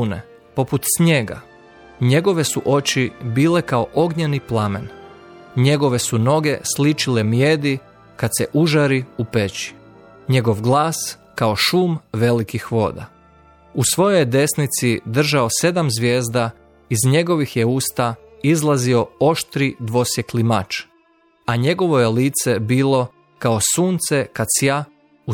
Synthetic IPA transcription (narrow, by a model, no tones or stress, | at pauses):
nḛ | po̞put̪sɲe̞ɡa̰ | ɲe̞ɡo̞ʋe̞suʔo̞t͡ɕibiːle̞kao̞ʔo̞ɡɲeniplˠamḛn | ɲe̞ɡo̞ʋesuno̞ɡe̞slit͡ʃile̞mje̞d̪i | kad̪seʔuʒaɾiupet͡ɕi̥ | ɲe̞ɡo̞ʋɡlˠaːs | kao̞ʃumʋe̞likixʋo̞̰d̪a̰ | usʋo̞jojd̪e̞snit̪sid̪r̩ʒao̞se̞d̪amzʋjeːzd̪a | izɲe̞ɡo̞ʋixje̞uːst̪a | izlˠazio̞o̞ʃt̪ɾid̪ʋo̞sje̞klimat͡ʃ | aɲe̞ɡo̞ʋo̞jeliːt̪se̞biːlˠo̞ | kaosuːnt̪se̞kat̪sja | u